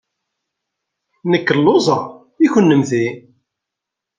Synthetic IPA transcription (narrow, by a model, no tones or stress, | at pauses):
nəkːəlːozˤɑ | içʊnːəmθi